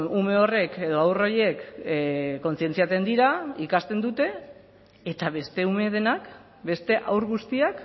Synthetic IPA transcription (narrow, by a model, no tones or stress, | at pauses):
nume̞o̞re̞ke̞ðo̞awroje̞k | kːo̞nsie̞nt͡siat͡s̪e̞nd̪iɾaikast̪e̞nd̪ut̪e̞ː | t̪aβe̞st̪e̞ume̞ð̞e̞nak | be̞st̪e̞ʔawɾɣust̪iak